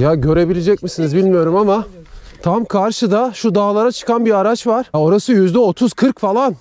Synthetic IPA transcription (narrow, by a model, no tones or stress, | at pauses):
jaɟø̞ɾe̞bilʲed͡ʒɛc̚misinizbilʲmijo̞ɾumamat̪ʰamkʰaɾʃɯd̪aʃud̪aːlˠaɾat͡ʃʰɯ̥kanbiaɾat͡ʃvaɾ̥o̞ɾasɯjyzd̪ɛo̞t̪ʰuz̥kʰɯɾkfalˠan